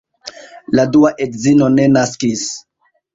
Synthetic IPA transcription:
laduaʔedzino̞ne̞naskis

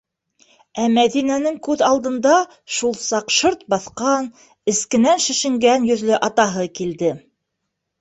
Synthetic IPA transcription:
æmæðinænɘŋkʉðɑlˠd̪ɤ̆nd̪ɑ | ʃulˠsɑqʃɤɾt̪̚bɑθqɑn | ɘ̆skɘ̆nænʃɘ̆ʃɘ̆ŋɡænjɵ̆ðlɘʔɑt̪ɑɦɤkild̪ɘ

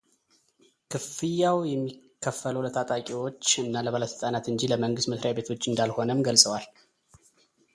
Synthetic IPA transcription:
kʰɨfɨjːawjɛmːikʰːəfːəluwlət̪ʼat̪ʼakʼiwo̞t͡ʃːɨnːaləβaləsɨltʼanat̪ɨnd͡ʒiləməŋɡɨst̪məsɾajabe̞t̪ʰo̞t͡ʃːɨnd̪alho̞nəmɡəlsʼəwal

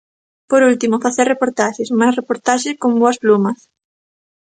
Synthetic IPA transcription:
poɾult̪imofaθeɾrepoɾt̪aʃesmasrepoɾt̪aʃeskõmboɐsplumɐs

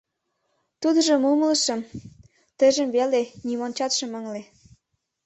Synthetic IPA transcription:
t̪ud̪əʒə̆mumələʃəm | t̪ə̆ʒə̆mβelenimont͡ɕɑt̪ʃə̆məŋle

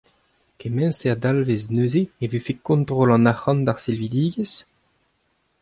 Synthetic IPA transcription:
kemɛ̃nsead̪alveznøːzeevefekɔ̃nt̪ʁolɑ̃naχɑ̃nd̪aʁsɛlvid̪iːɡes

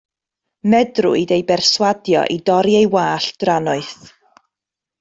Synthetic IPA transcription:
mɛdrʊ̰idejbɛrswadjɔ̰ʔidɔɾiejwaːɬd̥ranʊɨθ

